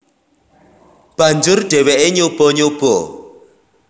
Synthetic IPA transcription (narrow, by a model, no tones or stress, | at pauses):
b̥and͡ʒʊrd̥ɛwɛʔɪɲob̥ɔɲob̥ɔ